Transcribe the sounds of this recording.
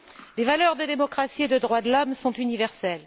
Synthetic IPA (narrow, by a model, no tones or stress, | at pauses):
levalœʁd̪əd̪emɔkχasied̪əd̪ʁwad̪əlɔmsɔ̃t̪ynivɛʁsɛl